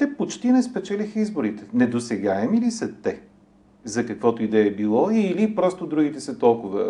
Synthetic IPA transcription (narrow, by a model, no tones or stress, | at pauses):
t̪ɛpot͡ʃt̪inɛspɛt͡ʃɛlʲixəizboɾit̪ɛ̥nɛd̪osɛɡaɛmilisɐt̪ɛ | zɐkɐkvɔt̪oid̪ɛɛbilˠɔilipɾɔst̪od̪ɾuɡit̪ɛsɐt̪ɔlˠkʊvə